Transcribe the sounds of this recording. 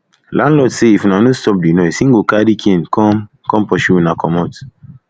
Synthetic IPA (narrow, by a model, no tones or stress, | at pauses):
lãnlɔtseifunanostɔp̚dinɔsĩŋ̩ɡokadikʰẽnkʰɔm | kɔ̃mpɔʃunakʰɔmɔt